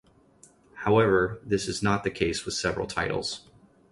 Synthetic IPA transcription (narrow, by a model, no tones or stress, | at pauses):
haʊɛvə˞ðɪsɨznət̪̚ðɨkʰeɪswɨð̥sɛvɹl̩ˠtʰaɪɾl̩ˠz̥